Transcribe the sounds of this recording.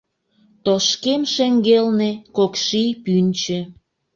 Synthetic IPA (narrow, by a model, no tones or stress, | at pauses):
t̪oʃkemʃeŋɡelnekokʃijpynʲt͡ɕĕ